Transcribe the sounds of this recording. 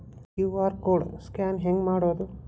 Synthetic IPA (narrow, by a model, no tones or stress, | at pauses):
kjuʋaːɾkoːɽskaːnɦeŋɡmaːɽoːd̪u